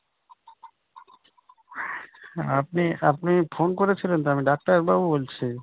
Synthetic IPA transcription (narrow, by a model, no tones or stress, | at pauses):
ap̚niapnifʰonkoɾet͡ɕʰilent̪oamiɖak̚ʈaeɾbabubolt͡ɕʰi